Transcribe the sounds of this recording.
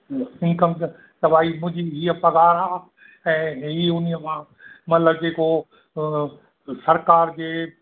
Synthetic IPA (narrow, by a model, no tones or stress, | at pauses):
ɪ̃ŋkəm | tɐʋaːimʊ̃ɦd͡ʑiɦiːəpɐɡaːɾɦaː | ɛ̃ːɦiʊnijəmãː | mɐt̪ləbd͡ʑeːko | sɐɾkaːɾd͡ʑeː